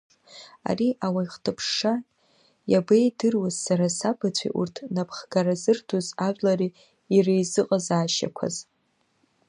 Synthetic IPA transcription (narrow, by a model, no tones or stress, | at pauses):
a̰riʔawaiχtʰɨpʰʂa | jabejdɨrwazsaɾasabat͡sʷʰḭʔṵrtʰnapʰχɡaɾazɨrtʰuzaʒʷᶣlariː | rejzɨqʼazaːʃa̰kʷʰa̰z̥